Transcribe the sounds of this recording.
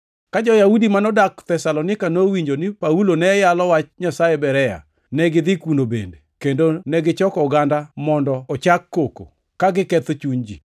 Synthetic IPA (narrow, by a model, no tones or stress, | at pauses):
kad͡ʒɔjaudimanɔdakt̪ɛsalɔnɪkanowiɲd͡ʒonɪpaulonɛjalɔwat͡ʃɲasajebɛɾɛja̰ | nɛɡɪd̪ɪkunobḛndekendonɛɡɪt͡ʃɔkɔɡandamɔndɔɔt͡ʃakːoko̰ | kaɡɪkɛt̪t͡ʃuɲd͡ʒḭ